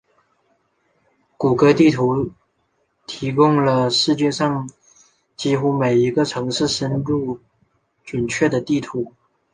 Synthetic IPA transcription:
ku˨˩kɤ˧˥t̪i˥˩t̪ʰu˧˥ | t̪ʰi˧˥kʊ˥˧ŋlə˨ʂɻ̩˥˧t͡ɕjɛ˥˧ʂɑ˥˩ŋ | t͡ɕi˥xu˥me˨˩ɪi˧˥ɡə˧ʈ͡ʂʰɤ˧˥ŋʂɻ̩˥˩ʂə˥nlu˥˩ | ʈ͡ʂə˨˩nt͡ɕʰɥɛ˥˩d̪ə˩t̪i˥˩t̪ʰu˧˥

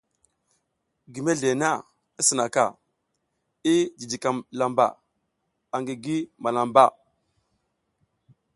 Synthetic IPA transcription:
ɡi˨me˦ɮe˨na˦˨ | i˦sə˨na˨ka̰˨ | i˦d͡ʒi˨di˨ka˨mla˨mba̰˨ | a˨ŋɡi˨ɡi˦ma˨la˨mba˦˨

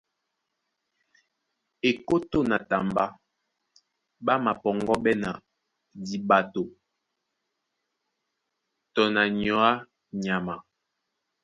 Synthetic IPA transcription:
e˨ko˦to˦˨na˨ta˨mba˦ | ba˦ma˨pɔ˨ŋɡɔ˦bɛ˦na˨ | di˨ba˨to˨ | tɔ˨na˨ɲɔ˨˦a˦ | ɲa˨ma˨

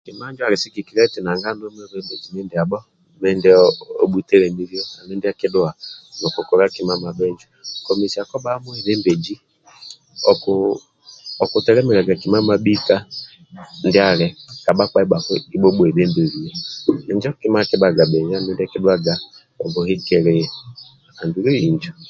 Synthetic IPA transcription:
ki˨ma˦d͡ʒwa˨ɾi˨si˦ki˨ki˨ɾɛ˦ti˨na˨ŋɡa˦nɔ˦mɛ˦βɛ˦mbe˨d͡ʒi˨nɛ˦ndɪ˨a˨ɓɔ˦ | mɛ˦ndɛ˦ɔ˦ɓu˦tɛ˦ɾɛ˨mi˦ɾi˦ɔ˦na˨mɛ˦ndɪ˦a˦kɪ˦dʊ˦a˨nɔ˨kɔ˨kɔ˨ɾa˦ki˨ma˦ma˨ɓɛ˦ɲd͡ʒu˦kɔ˨mi˨si˨a˨kɔ˦ɓa˦mu˦i˨ðɛ˦mbe˨d͡ʒi˦ | ɔ˨k | ɔ˨ku˨tɛ˨ɾɛ˦mɛ˨ɾa˨ɡa˨ki˨ma˦ma˨bi˦ka˦ | n̩dɪ˦a˨ɾɛ˨ka˨ɓa˦ka˨˦i˦ɓa˨kɔ˦i˦ɓɔ˦ɓɔ˨i˨ðe˦mbe˨ɾi˨jɔ˦ɛ˨ɲd͡ʒɔ˦ki˦ma˦kɪ˦ba˨ɡa˨ɓɛ˨ɲ˦a˦˨mɛ˦nda˦˨ki˦dʊ˦a˦˨ɡa˨ | ɔ˨ɡɔ˨hi˦kɛ˨ɾɛ˨ | a˨ndu˨˦ɾe˦i˨nd͡ʒɔ˨

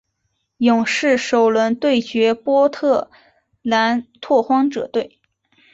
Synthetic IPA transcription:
jʊ˨˩ŋʂɻ̩˥˩ʂo˨˩ʊlwə˧˥nt̪we˥˩ɪt͡ɕɥɛ˧˥pwɔ˥t̪ʰɤ˥˩ | la˧˥nt̪ʰwɔ˥˩xwɑ˥ŋʈ͡ʂɤ̰˨˩t̪we˥˩ɪ

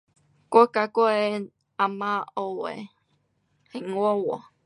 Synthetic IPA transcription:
ko˦ka˨ko˦e˧ | a˨mã˦o˧wḛ˨ | he˨ŋʷo˦wo̰˨

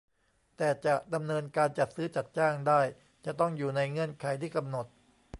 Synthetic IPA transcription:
t̪ɛː˨˩t͡ɕa˨˩ʔda˧mnɤː˧nkaː˧nt͡ɕa˨˩t̪̚sɯː˦˥t͡ɕa˨˩t̪̚t͡ɕaː˥˩ŋdaː˥˩j | t͡ɕa˨˩ʔt̪ɔ˥˩ŋjuː˨˩na˧jŋɤ˧˥ənkʰa˨˦jt̪ʰiː˥˩ka˧mno˨˩t̪̚

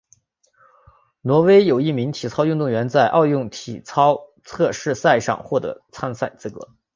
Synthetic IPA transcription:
nwɔ˧˥we˥ɪjo˨˩ʊi˥˩mi˧˥ŋt̪ʰi˨˩t͡sʰɑ˥ʊjy˥˧nt̪ʊ˥˩ŋɥɛ˧˥nt͡sa˥˧ɪʔɑ˥˧ʊjʊ˥˩ŋt̪ʰḭ˨˩t͡sʰɑ˥ʊt͡sʰɤ˥˧ʂɻ̩˥˧sa˥˧ɪʂɑ̰˥˧ŋxwɔ˥˩t̪ɤ̰˧˥t͡sʰa˥nsa˥˩ɪt͡sɹ̩˥˩kɤ̰˧˥˦

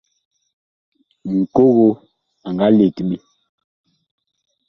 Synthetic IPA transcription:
ŋ̩˨ko˦ɣo˦ | a˨ŋɡa˦le˨ti˨ɓe˦

